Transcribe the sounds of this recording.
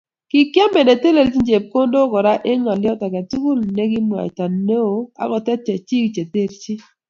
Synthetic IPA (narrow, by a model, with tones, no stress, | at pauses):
ki˨kja˦mbe˨ne˨te˦le˨lt͡ʃi˦ɲd͡ʒe˨p̚ko˦ndo˦kɔ˨ɾa˦ʔe˦ŋa˨ljɔ˦ta˨ka˨tu˦ku˦lne˦ɡɪ˦mwa̰˨jta˨ne˦o˨a̰˨˦kɔ˨tɛ˦t͡ʃa˨t͡ʃi˦kt͡ʃe˨te˦˨lt͡ʃi˦